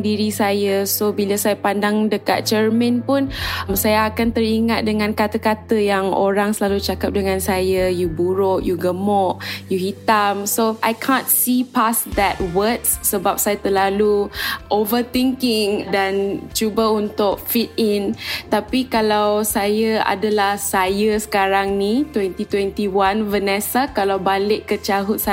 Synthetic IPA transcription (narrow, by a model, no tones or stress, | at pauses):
ŋdiɾisajasobilasajapandaŋdəka̰t̪̚t͡ʃərmə̃npʊnmsajaakant̪əɾiŋat̪̚dəŋãnkat̪əkat̪əjaŋo̰ɾaŋsəlalut͡ʃakap̚dəŋãnsajajubuɾʊʔjuɡəmɔʔjuɦit̪amsoʔajkʰãnsipasd̪ɛt̚wətsːəbap̚sajat̪əlaluʔovət̪iŋkɪŋdant͡ʃubaunt̪ʊk̚fit̪̚int̪apikalawsajəa̰dalahsajəsə̥kaɾaŋnit̪wɛnt̪it̪wɛnt̪iwanvənɛsakalawbalɪʔkːət͡ʃaɦʊt̪̚sa